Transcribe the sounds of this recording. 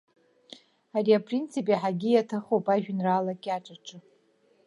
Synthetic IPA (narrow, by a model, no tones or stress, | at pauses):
ariapʰrint͡sʰipʼiħaɡʲijatʰaχowpʼaʒᶣnraːlakʲʼaʈ͡ʂʼaʈ͡ʂʼɨ